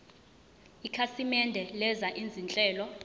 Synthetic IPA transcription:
ikʰasimɛndʱɛlɛzaʔind͡zʱint͡ɬʼɛːlɔ

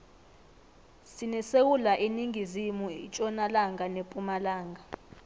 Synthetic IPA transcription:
sinisewulaʔiniŋɡʱizimuḭt͡ʃʼɔnalaŋɡʱanepʼumalaːŋɡʱa

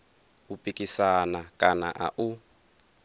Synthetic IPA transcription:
upʼikisanakʼana̰ʔa̰ʔu

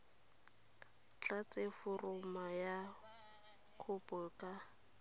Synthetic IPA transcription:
t͡ɬʼat͡sʼefʊrʊmaja | kʰʊpʼʊkʼa

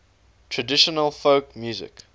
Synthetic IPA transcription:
tʰɹədɪʃənəlˠfoʊkmjuːzɪ̰k

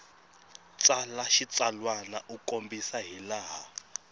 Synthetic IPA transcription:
t͡sʼalaʃit͡salwanaʔukʼombisaɦilaːɦa

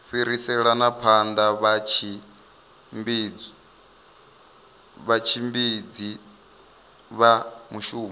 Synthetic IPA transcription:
ɸiɾisɛɺanapʰand̪aβat͡ʃʰi | mbi | βat͡ʃʰimbid͡zi | βamuʃuːma

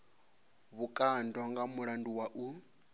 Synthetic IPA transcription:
βukʼandɔŋɡamuɺanduwaʔu

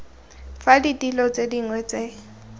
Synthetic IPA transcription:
faditʼilɔt͡sʼediŋwɛt͡se

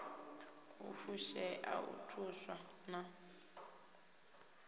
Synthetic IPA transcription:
ufuʃɛʔaṵtʰuswana

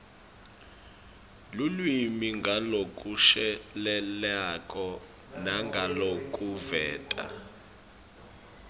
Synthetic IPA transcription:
lulwimiŋɡʱalokʼuʃɛlɛlakʼɔ | naŋɡʱalokʼuvɛːtʼa̰

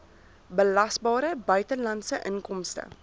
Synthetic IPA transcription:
bəlɐsbɑːɾəbœɥtəlɐntsəʔəŋnkɔmstə̰

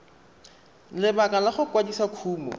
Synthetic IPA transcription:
lɪbakalaχʊkwadisakʰuːmɔ̰

